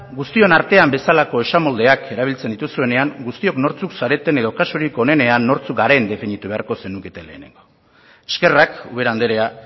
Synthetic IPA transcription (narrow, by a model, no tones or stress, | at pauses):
ɡust̪io̞naɾt̪e̞ambe̞salako̞e̞ʃamo̞ld̪e̞akʰe̞ɾaβ̞ilt͡send̪it̪usue̞ne̞aŋɡust̪io̞kno̞ɾt͡suksaɾe̞t̪e̞ne̞ðo̞kasuɾiko̞ne̞ne̞anːo̞ɾt͡suɡaɾe̞nd̪e̞fenit̪uβe̞a̰ɾko̞se̞nuke̞t̪ele̞̰ːne̞̰ŋɡo̞ | eske̞rakuβe̞ɾand̪eɾe̞a